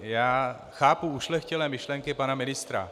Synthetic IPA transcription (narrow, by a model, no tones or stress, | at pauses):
jaː | xaːpuuʃlɛxcɛlɛːmɪʃlɛŋkɪpanamɪnɪst̪ɾa̰